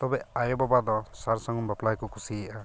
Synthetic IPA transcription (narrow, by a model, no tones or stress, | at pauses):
t̪ɔbɛajɔbɔbad̪ɔsaɾsaŋumbaplajkɔkusiɛʔa